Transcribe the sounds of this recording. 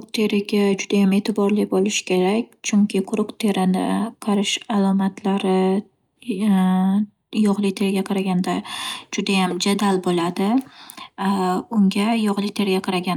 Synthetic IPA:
qt̪ʰe̞ɾɪɡʲad͡ʒʊd̪ajame̞t̪ʰɪbɒɾlɪbolˠɪʃkʲʰe̞ɾakʲt͡ʃʰʊŋkʲʰɪqʰʊɾʊqt̪ʰe̞ɾɪnɪ̰qʰɑɾɪʃalˠɒmat̪ʰlaɾɪ | jɒʁlˠɪt̪ʰe̞ɾɪɡʲaqʰɑɾaɡʲand̪ad͡ʒʊd̪ajamd͡ʒad̪albolˠad̪ɪ | ʊŋɡʲajɒʁlˠɪt̪ʰe̞ɾɡʲaqʰɑɾaɡʲan

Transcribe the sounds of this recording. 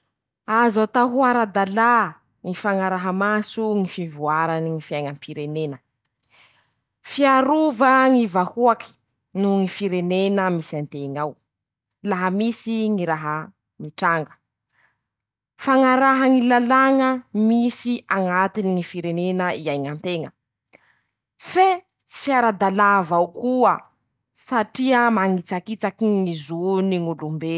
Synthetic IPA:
azat̪aɦuaɾad̪ala | ŋifaŋaɾaɦəmasuŋifivuaɾaniŋifiajŋəmpʰiɾenenə | fiaɾuvəŋivahuaki̥ | nuŋifiɾenenəmisant̪eŋaw | laɦəmisiŋiɾaɦə | miʈ͡ʂaŋɡə̥ | faŋaɾaɦaŋilalaŋəmisiaŋat̪iniŋifiɾenenəiajŋant̪eŋə | fe | t͡siaɾad̪alavawkuə | saʈ͡ʂiəmaŋit͡sakit͡sakiŋizuniŋulumbe

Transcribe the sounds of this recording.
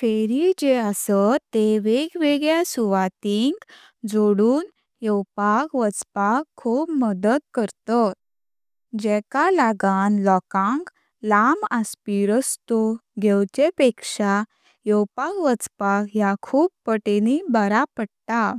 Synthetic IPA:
feɾid͡ʑeasət̪ːeʋeɡʋeɡɭjasuʋat̪iŋk | d͡zoɽuːn | jɔwpakʋət͡spakʰːuːpməd̪əd̪̚kəɾt̪ɔt̪ | d͡ʑɛkalaɡanlɔkãŋk | lamaspiɾəst̪oɡʱɛwt͡ɕepekʂa | jɔwpakʋət͡spakjakʰuːppəʈenibəɾapəɽt̪a

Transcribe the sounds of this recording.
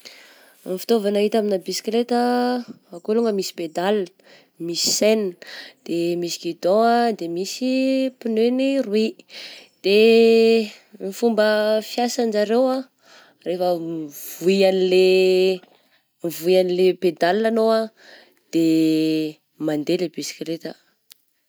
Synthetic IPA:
mfi̥t̪ovanaɦit̪aminabisi̥klet̪ə | akoluŋəmisi̥ped̪alə̥ | misi̥send̪̥emisi̥kid̪ɔ̃ad̪emisipinønirwid̪̥e | mifumbəfjasand͡ʒaɾewa | refəv̥ujanile | mivuianileped̪alanoa | d̪̥e | mand̪elebisi̥klet̪ə

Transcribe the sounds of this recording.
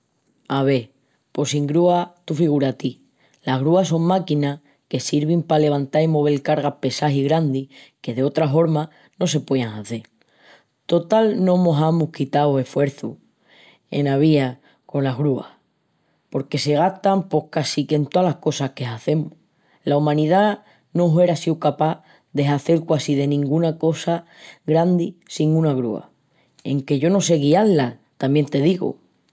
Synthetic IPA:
aβe̞ | po̞siŋɡɾuat̪ufiɣ̞uɾat̪i | laɣɾuaso̞ŋmakina | ke̞siɾβ̞impale̞β̞ant̪aimo̞β̞e̞lkaɾɣape̞saɦiɣɾand̪ike̞ðe̞o̞t̪ɾafo̞ɾma | no̞s̬e̞pweaŋaθe̞ | t̪o̞t̪alnõ̞mo̞ɦamuhkit̪awe̞fwe̞ɾθu | e̞̰naβia | ko̞nlaɦɣɾua̰h | po̞ɾke̞se̞ɣ̞aht̪ampo̞hkasike̞nt̪oalahko̞sahke̞ɦaθe̞mu | laumãniða | noɦe̞ɾasiwkapa | ðe̞ɦaθe̞lkwasiðe̞nĩŋɡunako̞sa | ɣɾand̪isiŋũnaɣɾṵa̰ | e̞ŋke̞ʝo̞no̞se̞ɣialːat̪amje̞nt̪e̞ðiɣṵ

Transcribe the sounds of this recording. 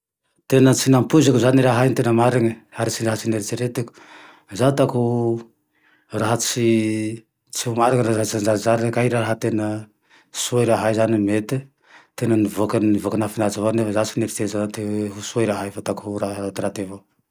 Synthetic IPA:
t̪enət͡sinampuzakuzaniɾaɦajnt̪enəmaɾaŋəaɾit͡sinaɦat͡sineɾit̪iɾet̪eku̥ | zat̪aku | raɦət͡si | t͡siumaɾaŋəɾazat͡sand͡ʒazaɾanəkaiɾaɾaɦət̪enə | suajɾaɦajzanimet̪i | t̪enənivokannivokanafinat͡savanefazat͡sineɾit̪ezant̪eɦusuajɾaɦajfat̪akuɦuɾaat̪iɾat̪evo

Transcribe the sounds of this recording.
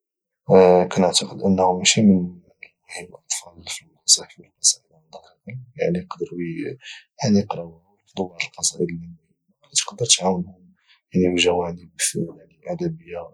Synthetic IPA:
kænəʕt̪ɑqəd̪ʔənːhʊmæʃimən | whibʔɑt̪ˤfɑlfilmɑsˤiħfilqɑsˤɑʔəd̪md̪ˤɑkɑqənja̰ʕniqd̪əɾ | janiqɾɑw | fd̪ˤubʕləlqɑsˤɑʔəd̪li | ɑt̪qd̪əɾt̪ʕawəlhʊm | janibʒæwaʕnəbfaʕniʔad̪æbəjːa

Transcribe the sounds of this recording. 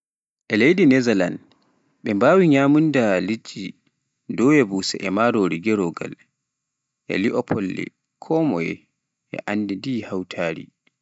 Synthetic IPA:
ʔɛlejɗinɛzala̰n | ɓɛmbaːwiɲaːmundalid͡ʒi | dɔwjɛbusɛ̰ʔɛmaɾoːɾiɡɛɾɔɡa̰l | ʔɛ̰liʔɔpʰɔlːḭ | kʰɔːmɔjɛ̰ | ʔɛ̰ʔanːdɛdihawtʰaːɾḭ

